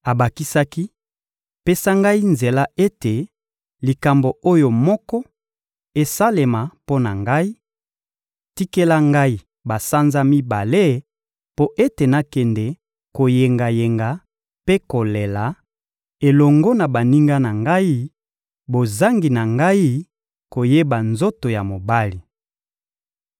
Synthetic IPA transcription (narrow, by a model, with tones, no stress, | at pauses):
a˨ba˨ki˦sa˦ki˦ | pe˦sa˦ŋɡa˦i˦nze˨la˦e˦te˨ | li˨ka˨mbo˨o˦jo˨mɔ˦kɔ˦ | e˨sa˦le˨ma˨po˦na˨ŋɡa˦i˦ | ti˦ke˦la˦ŋɡa˦i˦ | ba˨sa˦nza˦mi˦ba˨le˦ | po˦ʔe˦te˨na˦kɛ˨ndɛ˨ | ko˨je˨ŋɡa˨je˨ŋɡa˨ | pe˦ko˨le˨la˨ | e˨lɔ˨ŋɡɔ˦na˨ba˨ni˦ŋɡa˦na˨ŋɡa˦i˦ | bo˨za˦ŋɡi˨na˨ŋɡa˦i˦ | ko˨je˦ba˨nzo˦to˨ja˨mo˨ba˦li˨